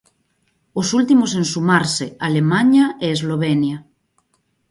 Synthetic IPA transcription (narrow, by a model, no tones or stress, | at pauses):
osult̪imos̬ensumaɾsealemaɲaeːzloβ̞enja